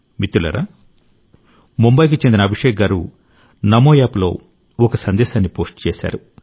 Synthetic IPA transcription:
mit̪ːulɐ̰ɾa̰ | mumbɐjk̬ut͡ʃend̪inɐbʱiʂɛːk̚ɡaːɾu | nɐmoːjaːplo̞̰ː | ɔkɐsɐnd̪ɛːʃaːnːipo̞ːsʈt͡ʃeːsa̰ːɾu

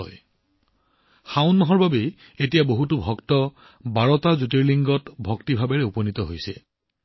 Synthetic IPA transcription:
ɔ̰j | xãʊnːɔɦɔɹbʱabe | etijaboɦutubʱɔktɔ | baɹɔtazut̬eɹliŋɡɔtbʱɔktibʱabɛɹɛupɔnit̪ɔɦojsɛ

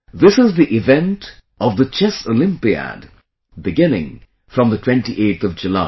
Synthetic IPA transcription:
ðɪsɪzðiʔɪvɛ̃nt | ʌvðət͡ʃɛsolɪ̃mpiə̰d | bɨɡɪ̃nɪ̰̃ŋ | fɹʌ̃mðətʰw̥ɛ̃nʈiʔeɪtθʌvd͡ʒɨlaɪ

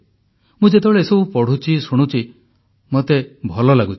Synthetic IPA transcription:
mũd͡ʒet̪ebeɭeesɔbupɔɽ̤ut͡ʃʰisuɽ̃ut͡ʃʰi | mot̪ebʱɔlɔlaɡut͡ʃʰi̥

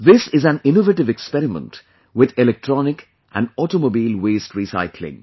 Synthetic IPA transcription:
ðɪsɪzæ̃nɪ̃novəʈɪvɛkspɛɾɪmə̰̃nt | wɪðɪlɛk̚ʈʰɹɔnɪk | ʔæ̰̃nɔʈomobiːlweːstɹisa̰ɪkʰlɪ̰̃ŋ

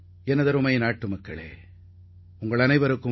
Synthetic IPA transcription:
ɛnɐðɐɾɯmɐjnaːʈːɯmɐkːɐ̰ɭḛː | ʊŋɡɐɭɐnɐɪʋɐɾɯkːɯ

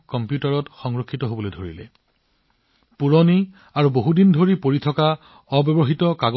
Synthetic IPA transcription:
kɔmpjutaɹɔtxɔŋɹokʰːitɔɦobolojdʱoɹḭlɛ̰ | puɹɔni | aɹuboɦudindʱoɹipoɹitʰɔka | ɔbɔbɔɦitɔkaɡ

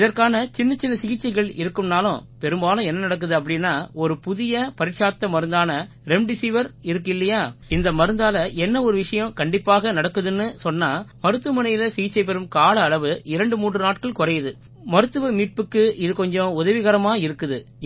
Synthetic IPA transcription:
ɪðɐɾkaːnɐt͡ʃɪnːɐt͡ʃɪnːɐsɪɣɪt͡ʃːɐɪɣɐɭɪɾɯkːɯmnaːlʊ̰̃pɛɾɯmbaːlʊ̃ɛnːɐnɐɽɐk̬ːɯðɯɐp̬ːɐɽɪnːaːɔɾɯpʊðɪjɐpɐɾɪʈʂaːt̪ːɐmɐɾɯnd̪aːnɐ | ɾɛmɖɪsiːʋɐɾɪɾɯk̬ːɪlːɐjaːɪnd̪ɐmɐɾɯnd̪aːlɐɛnːɐɔɾɯʋɪʂɐjɐ̃kɐɳɖɪpːaːɣɐnɐɽɐkːɯðɯnːɯsɔnːaːmɐɾɯt̪ːɯmɐnɐjɪlɐsɪɣɪt͡ʃːɐɪp̬ɛɾɯmkaːlɐːɭɐʋɯɪɾɐɳɖɯmuːɳrɯnaːʈ̚kɐɭkɔɾɐjɐðɯ | mɐɾɯt̪ːɯʋɐmiːʈ̚pɯkːɯɪðɯkɔɲd͡ʒɔ̃ʊðɐʋɪɣɐɾɐmaːɐɪɾɯkːɯðɯ

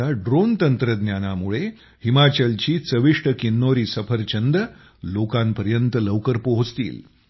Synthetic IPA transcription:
aɖɾont̪ənt̪ɾəd̪njanamuɭe | himat͡ɕəlt͡ɕiːt͡səʋiʂʈəkinːoɾiːsəpʰəɾt͡ɕənd̪ə | lokanpəɾjənt̪ələʋkəɾpoɦost̪ḭːl

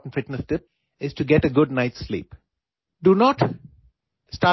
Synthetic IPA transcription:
ʈn̩fɪʈnəstɪp̚ | ɪz̥ʈuɡɛʈəɡʊɖ̚naɪʈslḭːp | ɖunɔʈ | sʈa

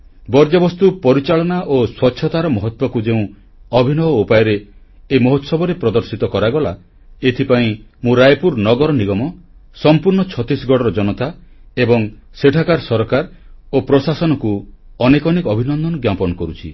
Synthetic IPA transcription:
bɔɾd͡ʒɔbɔst̪upɔɾit͡ʃaɭɔnaʔoswɔtːʃʰɔt̪aɾɔmɔɦɔt̪wɔkud͡ʒeũ | ɔbʱinɔbɔupajɔɾeː | mɔɦɔt̪sɔbɔɾepɾɔd̪ɔɾsit̪ɔkɔɾaɡɔla | et̪ʰipaĩmũɾajpuɾnɔɡɔɾɔniɡɔmɔsɔmpuɾɳɔt͡ʃʰɔt̪isɡɔɽɔɾɔd͡ʒɔnɔt̪aebɔŋ | seʈʰakaɾsɔɾkaɾopɾɔsasɔnɔkuɔnekɔnikɔbʱinɔnd̪ɔnɔɡjapɔnɔkɔɾut͡ʃʰi

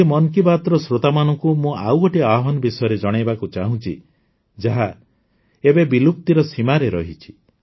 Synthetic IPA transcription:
emɔnkibat̪ɾɔsɾot̪amanɔ̃ŋkumũawɔʈiaɦɔnɔbisɔjɔɾed͡ʒɔɽ̃ajbakut͡ʃaɦũt͡ʃʰḭ | d͡ʒaɦa | ebebiluk̚t̪iɾɔsimaɾeɾɔɦit͡ʃʰi̥

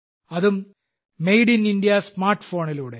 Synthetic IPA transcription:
ɐðumː | ejɽinindijɐsmaːrʈːfo̞ːɳiluːɽe

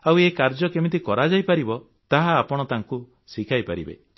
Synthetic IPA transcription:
awekaɾd͡ʒɔkemit̪̬ikɔɾad͡ʒajpaɾibɔ | t̪aɦaːpɔɽ̃ɔt̪aŋku | sikʰajpa̰ɾḭbḛ

